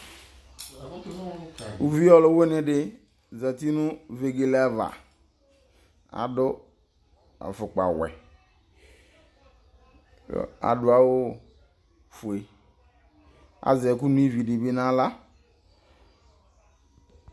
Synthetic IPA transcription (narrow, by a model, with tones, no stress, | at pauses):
u˨vi˦ɔ˦lʊ˨˦we˦nɪ̃˨ɖɪ˦ | za˨ti˦nʊ̃˦ve˨ɡe˨la˦va̰˨ | a̰˨dʊ˦ | a̰˨fʊ˨k͡pa̰˨wɛ̰˨˦ | a̰˨dʊ˨a˦wo˦ | fu˨e˨ | a̰˨zɛ˨ku˦nũ˦i˦vi˨dɪ˨be˦nã˦la˦